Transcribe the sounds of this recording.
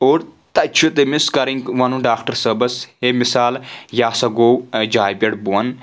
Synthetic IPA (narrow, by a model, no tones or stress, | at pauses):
oːɾt̪ɐt͡ʃʰot̪emɪskɐɾɪ̃ŋɡʋɐ̃nũːɖaːkʈəɾsəbəsheːmɪsaːljaːsɐɡoːd͡ʒaːjpɐɽbuːən